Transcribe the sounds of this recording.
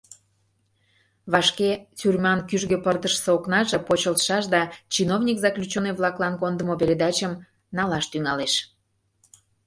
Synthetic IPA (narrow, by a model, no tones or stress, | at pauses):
βɑʃket͡syrmɑnkyʒɣøpərt̪əʃseoknɑʒɤ̆pot͡ɕəlt̪ʃɑʃd̪ɑt͡ɕinovnʲikzɑklʲut͡ɕoneβlɑklˠɑnkond̪əmopeɾʲed̪ɑt͡ɕəm | nɑlɑʃt̪yŋɑleʃ